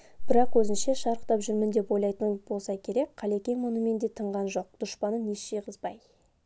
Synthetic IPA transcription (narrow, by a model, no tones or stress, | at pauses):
b̥ɪɾɑqwɵzɪnʃe̞ʃɑɾəqt̪ɑpʒʏɾmɪnd̪e̞po̞jlˠɑjt̪əb̥o̞lˠsɑkʲʰe̞ɾe̞k̚qʰːɑlekʲeŋmʊnəme̞nd̪e̞t̪ʰəɴʁɑnʒo̞q̚d̪̥ʊʃpɑnəneʃʃejqʰəzbɑj